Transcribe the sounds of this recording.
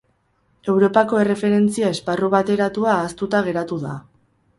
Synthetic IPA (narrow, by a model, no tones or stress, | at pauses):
e̞wɾo̞pako̞e̞re̞fe̞ɾe̞nt͡siae̞sparuβ̞at̪e̞ɾat̪uaːst̪ut̪aɣ̞e̞ɾat̪uða̰